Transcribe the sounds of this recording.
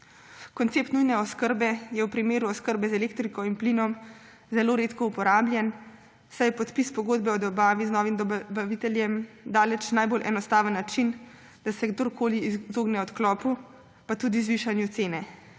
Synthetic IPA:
kɔnt̪seːp̚t̪nujnɛɔskəɾbɛjɛwpɾimeːɾuɔskəɾbɛzɛleːkt̪ɾikɔinpliːnɔm | zɛloːɾet̪kɔupɔɾaːbljɛn | sajpɔt̪pispɔɡoːd̪bɛɔd̪ɔbaːʋiznɔːʋimd̪baʋit̪ɛljɛmd̪aːlɛt͡ʃnajbolʔɛ̰nɔst̪aːʋənːat͡ʃin | d̪̥asɛɡd̪oɾkʰoːlizoːɡnɛɔt̪klɔːpu | pat̪ud̪izʋiʃanjut̪seːnɛ

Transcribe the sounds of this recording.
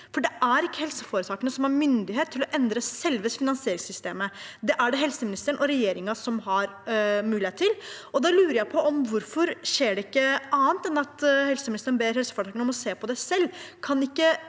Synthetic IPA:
fɔɖɛʔæɾɪkːəhɛlsəfoːɾət̪ʰɑːkənəsɔmæɾmʏnd̪ɪɦeːt̪ʰːɪlɔʔɛnd̪ɾəsɛlʋəsfɪnɑnsɪeːɾɪŋsʏst̪eːməd̪ɛʔæɖɛɦɛlsəmɪnɪst̪əɳʔɔɾɛjeːɾɪŋɑsɔmɦɑɾ | mʉːlɪheːt̪ʰːɪlɔd̪ɑlʉːɾəjæɪpʰɔʔɔmʋʊɾfɔɾʂeːɖɛɪkːəʔɑːənt̪ɛnɑt̪hɛlsəmɪnɪst̪əɳbeːɾɦɛlsəfoːɾt̪ʰɑːkənɔmɔseːpʰɔd̪æsɛlːkʰɑnɪkːə

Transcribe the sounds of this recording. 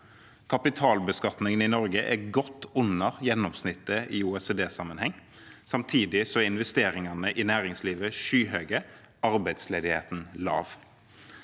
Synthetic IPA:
kʰɑpɪt̪ʰɑːlbəskɑt̪nɪŋənɪnɔɾɡəʔæɡɔt̪ːʊnːəʁjɛnːɔmsnɪt̪ːəiuːɛseːd̪eːsɑmənhɛŋː | sɑmt̪ʰiːd̪ɪsɔɛɪnʋɛst̪eːɾɪŋɑnəʔɪnæːɾɪŋsliːʋəʃyːɦøːɡə | ɑɾbæɪd̪sleːd̪ɪheːt̪n̩lɑ̰ːʋ

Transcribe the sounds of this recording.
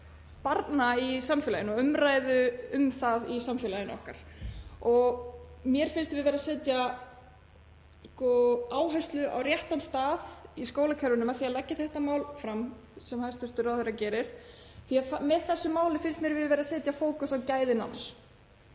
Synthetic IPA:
paɾt̪naisamfɪlajɪnɔʏmɾaːjðʏʏmθaðisamfɪːlajɪnɔ̰hka̰ɾ̥ɔɣmjɛɾ̥fɪnst̪vɪðvɛːɾasɛːt̪ja | skɔaːwɦajst̪lʏa̰wɾjɛht̪anst̪aːðiskoːwlakʰɛɾvʏnʏmaðθiaðlacːɪθɛht̪amaːwlfɾam | sɛmhanst̪ʰʏst̪ʏɾawθeɾacɛːɾɪɾ̥ | θiaðamɛðθɛsːʏmːaːwlɪfɪnst̪mjɛɾvɪðvɛːɾasɛːt̪jafoːwkʏθawcaːjðɪna̰ns

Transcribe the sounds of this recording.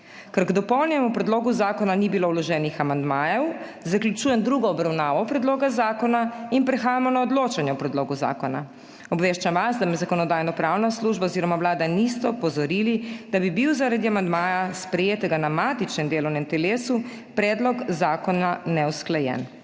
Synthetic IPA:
kɛɾɡd̪ɔpɔwlnjɛmɔpɾɛd̪loːɡuzaːkɔnanibiloːwlɔʒɛːnixamand̪maːjɛw | zaklʲjut͡ʃuːjɛmd̪ɾuɡɔːbɾawnaːʋɔpɾɛd̪loːɡazaːkɔnainpɾɛxaːjamɔnaɔd̪loːt͡ʃanjɛwpɾɛd̪loːɡuza̰ːkɔna̰ | ɔbʋeːʃt͡ʃamʋazd̪amɛzakɔnɔd̪aːjnɔpɾawnasluːʒbaoziːɾɔmawlaːd̪anist̪ɛɔpɔzɔɾilid̪̥abibiwzaɾad̪iamand̪maːjaspɾɛjeːt̪ɛɡanamaːt̪it͡ʃnɛmd̪eːlɔwnɛmt̪ɛleːsu | pɾɛːd̪lɔkzaːkɔnanɛwsklajɛ̰n

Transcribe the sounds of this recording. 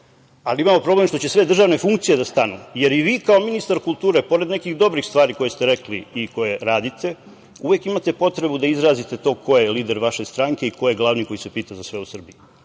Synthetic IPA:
aliimamo̞pɾo̞ble̞mʃt̪o̞t͡ɕe̞sʋe̞d̪r̩ʒaʋne̞fuŋkt̪sije̞d̪ast̪anuje̞ɾiʋiːkao̞minist̪aɾkulˠt̪uːɾe̞po̞ɾe̞d̪nekixd̪o̞bɾixst̪ʋaːɾiko̞je̞st̪eɾe̞kliiko̞jeɾaːd̪it̪ʰe̞ | uʋe̞kimat̪e̞po̞t̪ɾe̞bud̪aizɾaːzit̪e̞t̪o̞ːkʰo̞jeliːd̪e̞ɾʋaʃe̞st̪ɾaŋke̞iko̞jeɡlˠaːʋniko̞jisepiːt̪azasʋe̞usr̩biju

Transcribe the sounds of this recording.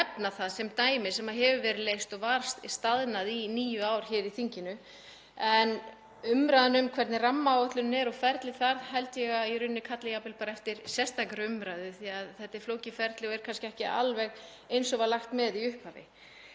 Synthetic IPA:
ɛpnaθaðsɛmt̪aːjmɪsɛmaɦɛvʏvɛːɾɪðlejst̪ɔɣvaɾ̥sst̪aðnaðiniːjʏaːwɾ̥çɛːɾiθiɲcɪnʏ | ɛn | ʏmɾajðanʏmkʰvɛɾt̪nɪramːawɔht̪lʏnnɛɾɔfɛɾt̪lɪθaɾɦɛjlt̪jɛɣaiɾʏnːɪkʰat̪lɪjapɪlpaːɾaɛft̪ɪɾsɛst̪akɾʏmɾajðʏθiaðθɛht̪ːɪfloːwcɪfɛɾt̪lɪɔɛɾ̥kʰanscɪɛhcɪa̰lvɛɣ | ejnsɔvaɾlaxt̪mɛðiʏhphavɪ̰

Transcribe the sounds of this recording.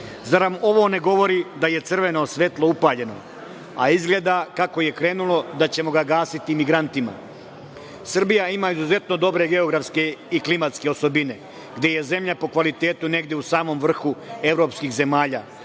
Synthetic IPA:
zaɾamo̞ʋo̞ne̞ɡo̞ʋo̞ɾid̪aje̞t̪sɨrʋe̞no̞sʋe̞t̪lˠoupaːʎe̞no̞̰ | a̰izɡle̞ːd̪akako̞je̞kɾe̞ːnulˠo̞d̪at͡ɕe̞mo̞ɡaɡaːsit̪imiɡɾant̪ima̰ | sr̩bijaimaizuze̞t̪no̞d̪o̞bɾe̞ɡe̞o̞ɡɾafske̞iklimat̪ske̞o̞so̞bine̞ | ɡd̪e̞je̞ze̞mʎapo̞kʋalit̪e̞ːt̪une̞ɡd̪jeusaːmo̞mʋr̩xue̞vɾo̞ːpskixze̞maːʎaː

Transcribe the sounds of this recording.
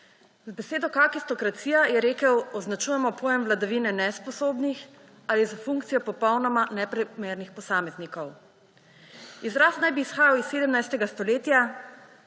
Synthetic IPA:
zbɛseːd̪ɔkakist̪ɔkɾat̪siːjajɛɾeːkəwɔznat͡ʃuːjɛmɔpʰoːjɛmʋlad̪aʋinɛnɛspɔsoːbnix | alizafuŋkt̪sijɔpɔpɔwnɔmanɛpɾɛmeːɾnixpɔsaːmɛznikɔw | izɾast̪najbiːsxaːjawisːeːd̪əmnajst̪ɛɡast̪ɔleːt̪ja

